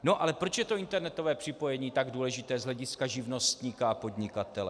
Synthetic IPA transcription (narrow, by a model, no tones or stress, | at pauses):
no̞ʔalɛpɾo̞t͡ʃjɛt̪o̞ɪnt̪ɛɾnɛt̪o̞vɛːpr̝̥ɪpo̞jɛɲiːt̪aɡduːlɛʒɪt̪ɛːzɦlɛɟɪskaʒɪvno̞st̪ɲikaːpo̞dɲɪkat̪ɛlɛ